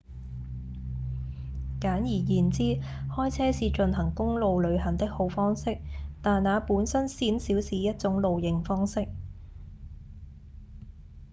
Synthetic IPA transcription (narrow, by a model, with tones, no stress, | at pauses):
kaː˨˥njiː˨˩jiː˨˩nt͡siː˥hɔː˥jt͡sʰɛː˥siː˧t͡ʃɵ˧nɦɐ˨˩ŋkʊ˥ŋlo˨˧wlɵ˨˧ɥɦɐ˨˩nt̪ɪ˥k̚ho˨˧˥wfɔː˥ŋsɪ˥k̚t̪aː˨nnaː˨˧puː˨˥nsɐ˥nsiː˨˥nsiː˨˥wsiː˨˥jɐ˥t̚t͡sʊ˨˥ŋlo˨wjɪ˨ŋfɔː˥ŋsɪ˥k̚